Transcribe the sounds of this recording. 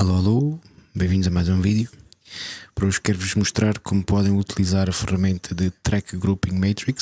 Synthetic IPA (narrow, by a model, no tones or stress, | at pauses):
ɐlˠoɐlˠobẽj̃vĩd̪uzɐmajzũviðju | pɐɾɐuʃkkːɛɾvuʒmuʃt̪ɾaɾkʰomupɔðɐ̃j̃ut̪ilˠizaɾɐfɨʁɐmẽnt̪ʰɐðɨt̪ɾɛkɡɾupĩmɛt̪ɾik